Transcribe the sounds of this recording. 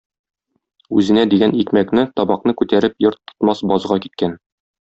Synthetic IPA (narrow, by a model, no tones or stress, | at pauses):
ʉzɘ̆næd̪iɡænikmæknɘt̪ɒbɑqnɤkʉt̪æɾɘpjoɾt̪ːŏ̥t̪mɑsbɒzʁɑkit̪̚kæn